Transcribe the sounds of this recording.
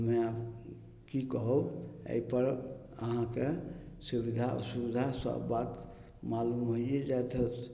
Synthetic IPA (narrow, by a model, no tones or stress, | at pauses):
mea | kikɔɦoḛipəɾ | əɦãke | subid̪ʱa̰subid̪ʱasə̰bːat̪ | malumɦoied͡ʒat̪ʰə